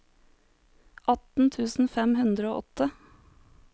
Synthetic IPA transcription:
ʔɑt̪n̩t̪ʰʉːsn̩fɛmhʉnd̪ɾəoːʔɔt̪ə

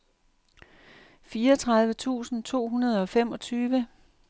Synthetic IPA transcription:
fiːɐɒt͡sʰʁɑ̈ð̞ˠʋət͡sʰṵːsn̩t͡sʰo̝̰ːɦunɐð̞ˠɒ̽femɒ̽t͡sʰyːʋə

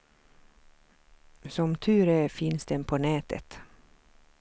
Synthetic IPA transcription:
sɔmt̪ʰʉːɾəfɪnsd̪ɛnpʰoːnɛːt̪ʰə̰t̪

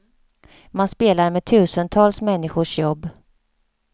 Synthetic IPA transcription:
manspeːlaɾmeːt̪ʰʉ̟ːsənt̪ʰɑːlsmɛnːɪɧʊʂjɔbː

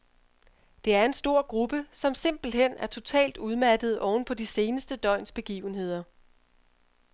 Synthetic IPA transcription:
d̥e̝æɐe̝nsd̥o̝ɐ̰ɡ̥ʁub̥əsɒ̽mse̝m̰b̥l̩ɦen̰æɐt͡sʰo̝t͡sʰɛ̰ːld̥uð̞ˠmæd̥əð̞̩ˠɒʊn̩pʰɒ̽dise̝ːnəsd̥əd̥ɒ̽ɪ̰nsb̥e̝ɡ̥ḭːʊn̩ɦe̝ð̞̰ˠɐ

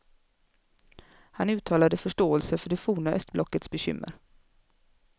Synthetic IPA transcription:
hanʉ̟ːt̪ʰɑːlad̪əfœʂʈoːɛlsəfœɖɛfuːɳaʔœst̪blʔɔkːət̪sbɛɕʏ̰mːə̰ɾ

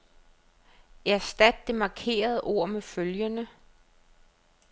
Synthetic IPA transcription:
æɐsd̥æd̥̚ːe̝mɑ̈kʰe̝̰ːɐð̞ˠəʔo̝ɐ̰meføljənə

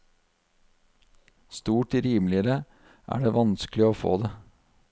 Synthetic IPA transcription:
st̪uːʈɾiːmlɪəɾə | ʔæ̰ːɖeːʋɑnsklɪoːfo̰ːd̪eː

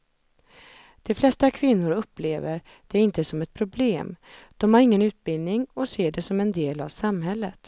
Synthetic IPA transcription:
d̪̥ɛflɛst̪akʰvɪnːʊɾɵpːlḛːvəɾ | d̪̥ɛæɾɪnt̪əsɔmɛt̪̚pʰɾʊbleːmd̪̥ɔmhaɾɪŋːənʉ̟ːt̪̚bɪld̪nɪŋɔseːɖɛsɔmɛnd̪eːla̰vsamɦɛlːət̪

